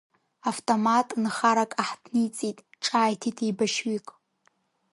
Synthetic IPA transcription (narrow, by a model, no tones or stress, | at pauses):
aftʼomatʼnχaɾakʼaħdʰnijt͡sʼitʼʈ͡ʂʼaːjtʰitʰijbaʃɥikʼ